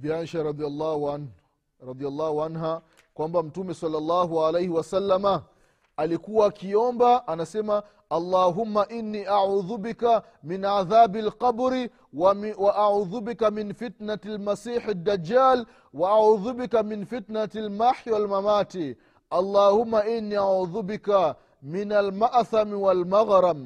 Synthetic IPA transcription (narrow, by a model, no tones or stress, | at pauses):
bianʃaɾɑðialːaːhan | ɾɑðijalˤːɑːhuʕanɦa | kwambam̩tumɛsɑlːalːaːɦuʕalejhiwasalːama | alikuwaːkiɔmbaʔanasɛma | ɑlˤːaːɦumːaʔinːiːʔaʕuːðubika | minʕaðaːbalqɑbɾi | waʔaʕuːðubikaminfitnatalmasiːħad̪ːad͡ʒːaːl | waʔaʕuːðubikaminfitnatlmaħiwalmamaːti | ʔɑlˤːɑːhumːaʔinːiʔaʕuːðubika | minalmaʔθamiwalmaɣɾam